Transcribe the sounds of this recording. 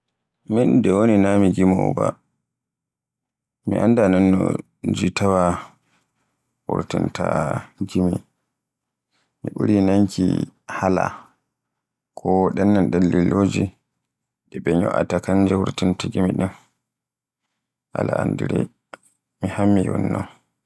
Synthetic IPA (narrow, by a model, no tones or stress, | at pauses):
mindɛwoninamiɡimaba̰ | miʔandananːɔ | d͡ʒitawa | wuɾtintaɡimi | miɓuɾinaŋkḭhala | kʰɔɗɛnːanɗalːiloːd͡ʒi | ɗɛɓɛɲɔ̰ʔa̰takand͡ʒɛwuɾtintaɡimiɗɛn | ʔalaandiɾɛ | mihamːiwɔ̰nːɔ̰n